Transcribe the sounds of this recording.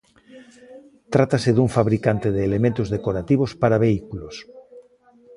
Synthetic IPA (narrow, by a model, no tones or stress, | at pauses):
t̪ɾat̪aseðuɱfaβɾikant̪eðeːlemẽnt̪ozðekoɾat̪iβ̞ospaɾaβeikulos